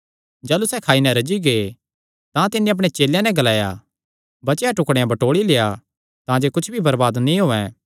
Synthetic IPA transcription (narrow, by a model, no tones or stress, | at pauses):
d͡ʒaːlusɛkʰaːinɛ̃ɾɐd͡ʒiɡe | t̪ãt̪ɪnːeɐp̬ɽ̃et͡ʃeːljãnɛ̃ɡɐlaːja̰ | bɐt͡ʃjaʈʊkɽejãbɐʈoːɽileːja | t̪ãd͡ʒokʊt͡ʃʰbʱibɐɾbaːd̪nĩɦoːɛ̃ː